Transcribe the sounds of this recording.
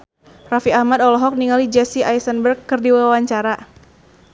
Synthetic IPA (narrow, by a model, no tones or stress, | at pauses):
rafiahmadɔlɔɦɔk̚niŋalid͡ʒɛsiʔajsənbərkːɨrdiwawaɲt͡ʃaɾa